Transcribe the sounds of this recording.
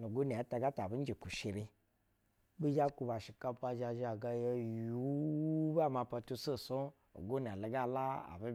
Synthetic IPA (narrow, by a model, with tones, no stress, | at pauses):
nu˨ɡo˦na˨a˦ta˧ɡa˦ta˨bi˦n̩˦d͡ʒe˨ku˨ʃe˨ɾi˧ | bi˦d͡ʒa˦ku˧ba˨ʃi˨ka˧pa˧ʒa˧ʒa˨ɡa˧je˧ju˨˦ba˦˨ma˧pa˧tu˧so˦˨so˦ | o̰˨ɡo˦n˨a˨le˨ɡa˦˨la˦a̰˨bi˦